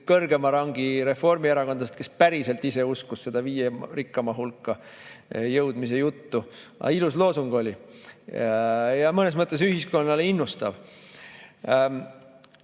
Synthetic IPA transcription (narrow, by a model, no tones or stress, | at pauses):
kɤrɡe̞mɑɾɑŋɡiɾe̞fo̞rmieɾɑko̞nd̪ɑst̪ke̞spæɾise̞lt̪ise̞uskusse̞d̪̥ɑviːjerikːˑɑmɑɦulkːɑ | jɤwd̪mis̬e̞jut̪ːuʔɑ̰iluslo̞ːsuŋɡ̥o̞lʲi | jɑmɤne̞s̬mɤt̪ˑːe̞s̬yɦisko̞nːɑleinːust̪ɑv